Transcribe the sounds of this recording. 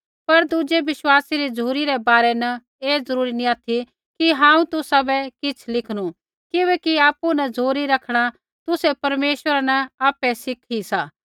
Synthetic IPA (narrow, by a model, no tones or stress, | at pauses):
pɐɾd̪uːd͡ʒeʋɪʃwaːsiɾid͡zʱuːɾiɾɛbaːɾɛnɐ | eːd͡zɐɾuːɾinĩaːt̪ʰi | kiɦãːũt̪ʊsabɛkɪt͡sʰlɪkʰɽ̃u | kɪbɛːkiaːpunɐd͡zʱoːɾiɾɐkʰɽ̃a | t̪ʊsɛpɐɾmeːʃwəɾanɐaːpɛsɪkʰisaː